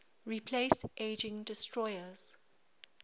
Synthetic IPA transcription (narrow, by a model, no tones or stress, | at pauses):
ɹipʰlestʔeːd͡ʒɪ̃ŋdɪstʰɹɔjəz̥